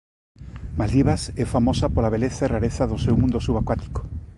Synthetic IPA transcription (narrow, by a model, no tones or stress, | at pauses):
malðiβasɛfamosapolaβeleθairaɾeθaðosewmũnd̪osuβakwat̪i̥ko̥